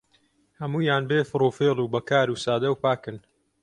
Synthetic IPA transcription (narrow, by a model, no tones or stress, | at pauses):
hɐmuːjaːnbeːfɨɾoːfeːlˠuːbɐkaːɾuːsaːd̪ɐwpaːkɨn